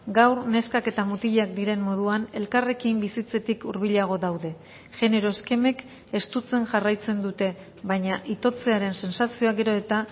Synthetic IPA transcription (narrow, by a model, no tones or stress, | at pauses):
ɡawɾne̞skake̞t̪amut̪iʎakd̪iɾe̞mːo̞ð̞uane̞lkare̞kimbisit͡se̞t̪ikuɾβ̞iʎaɣ̞o̞ðawðe̞ | ʝe̞ne̞ɾo̞eske̞me̞k | e̞st̪ut͡se̞nʝarajt͡se̞nd̪ut̪e̞ | βaɲaʔit̪o̞t͡se̞aɾe̞nse̞nsasio̞aɡe̞ɾo̞e̞t̪a